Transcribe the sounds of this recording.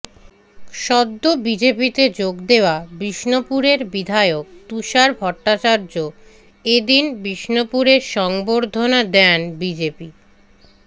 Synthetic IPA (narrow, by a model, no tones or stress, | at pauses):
ʃɔd̪ːobid͡ʑepit̪ed͡ʑoɡd̪eoabɾiʃnopuɾeɾbid̪ʱaeok̚t̪uʃaɾbʱɔʈːat͡ɕaɾd͡ʑo | ed̪inbɾiʃnopuɾeɾʃɔŋboɾd̪ʱonad̪ɛnbid͡ʑepi